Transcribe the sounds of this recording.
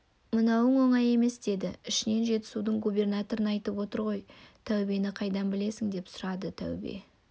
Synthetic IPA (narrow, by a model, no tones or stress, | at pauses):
mənɑwəɴwo̞ɴɑje̞me̞sd̪e̞d̪ɪɪʃɪne̞nʒe̞t̪ɪ̥sud̪əɴɡubʲe̞rnat̪o̞ɾənɑjt̪əpwo̞t̪əɾʁo̞jt̪ʰæwbe̞nɪqʰɑjd̪ɑnbɪle̞sɪŋd̪e̞psʊɾɑd̪ət̪ʰæ̰wbḛ